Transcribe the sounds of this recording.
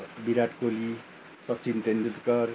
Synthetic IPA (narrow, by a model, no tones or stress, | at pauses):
biɾaʈkoli | sʌtːt͡sʰint̪enut̪kʌr